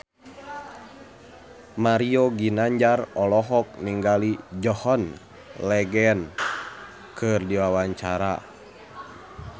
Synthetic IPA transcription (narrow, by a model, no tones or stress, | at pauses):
maɾiɔɡinaɲd͡ʒarɔlɔɦɔk̚niŋɡalid͡ʒɔhɔn | lɛɡɛn | kʰɨrdiwawaɲt͡ʃaɾa